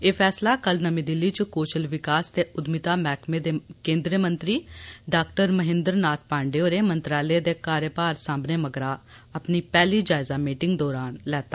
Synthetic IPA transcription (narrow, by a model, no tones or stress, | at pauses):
eːpʰɛːslaːkəlnəmĩːd̪ɪlːiːt͡ʃəkoːt͡ʃəlʋɪkaːst̪eːʔʊd̪mɪt̪aːmɛːkʰmẽːd̪eːkẽːnd̪ɾiəmənt̪ɾiːɖaːk̚ʈəɾməɦɪ̃nd̪əɾnaːt̪̚ʰpãːɳɖeːoːɾeːmənt̪ɾaːleːd̪eːkaːɾjəpaːɾsãːbneːməɡɾaː | əpniːpɛːliːd͡ʒaːɪzaːmiːʈɪŋɡd̪ɔːɾaːnlɛːt̪aː